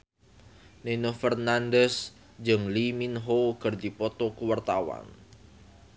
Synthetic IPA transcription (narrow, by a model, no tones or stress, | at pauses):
nenofɛrnandɛs | d͡ʒɨŋliminɦowkərd̪ipɔt̪ɔkuwart̪awa̰n